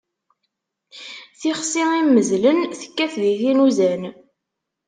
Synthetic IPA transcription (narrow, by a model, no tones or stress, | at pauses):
θiχsiimːəzlənθə̥kːæθðiθinuzæn